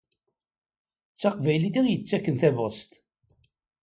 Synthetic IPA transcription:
t͡sːɑqvæjliθiʁjət͡sːækːənθævost̪

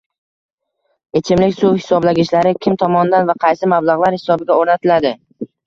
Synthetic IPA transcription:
e̞t͡ʃʰɪmlɪkʲsʊwhɪ̥sɒblaɡʲɪʃlaɾɪkʲʰɪmt̪ʰɒmɒnd̪anvaqʰɑjsɪmablˠɑʁlˠaɾhɪ̥sɒbɪɡʲaoɾnat̪ʰɪlad̪ɪ

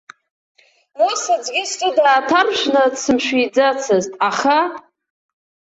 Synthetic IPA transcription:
mosad͡zɡʲɪst͡sʼɨdaːtʰarʒʷnasɨmʃʷᶣijd͡zat͡sʰɨztʼaχa

